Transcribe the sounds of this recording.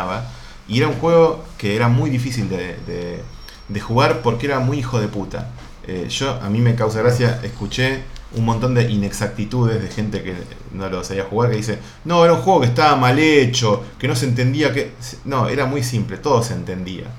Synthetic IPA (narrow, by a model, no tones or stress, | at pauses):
βa | ie̞ɾauŋxwe̞ɣo̞ke̞eɾamujðifisild̪ed̪ḛ | d̪e̞xuɣaɾpo̞ɾkeeɾamujixo̞ðe̞put̪a̰ | ḛʒ̥o̞a̰mĩme̞kaws̬aɣɾasjaʔeskut͡ʃeṵnmõnt̪o̞nd̪e̞ʔine̞ksak̚t̪it̪uðe̞zð̞e̞xe̞nt̪e̞kḛ | no̞losaβiaxuɣaɾkeðis̬e | noeɾauŋxwe̞ɣo̞kest̪aβamalet͡ʃo̞ke̞no̞s̬ent̪̬e̞nd̪iakesno̞eɾamujsimple̞t̪o̞ðo̞se̞ːnt̪e̞nd̪ia̰